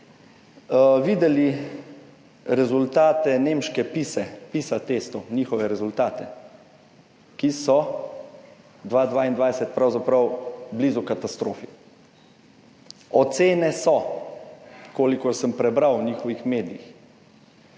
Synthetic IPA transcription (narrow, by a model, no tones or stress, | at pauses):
ʋid̪ɛli | ɾɛzult̪aːt̪ɛneːmʃkɛpiːsɛpiːsat̪eːst̪ɔwniːxɔʋɛɾɛzult̪aːt̪ɛ | kisɔ | d̪ʋaːd̪ʋaːind̪ʋaːjsɛt̪̚pɾawzapɾɐwblizukat̪ast̪ɾoːfi | ɔt̪seːnɛsɔ | koːlikɔɾsəmpɾɛbɾawniːxɔʋixmeːd̪iḭx